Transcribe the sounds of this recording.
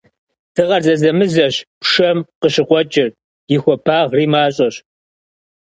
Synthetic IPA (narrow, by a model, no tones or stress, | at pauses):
tʰɨʁɐrzɐzɐmɨzɐɕpʂɐmqəɕɨqʷɔt͡ʃʼɪr | jɪxʷɔpʰaːʁriːmaːɕʼɐɕ